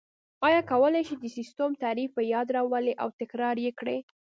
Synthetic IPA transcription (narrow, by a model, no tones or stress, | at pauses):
ɑjɑkawəlajʃid̪əsist̪omt̪aɾifpəjɑd̪ɾɑwəleʔawt̪ɪkɾɑɾjekɽe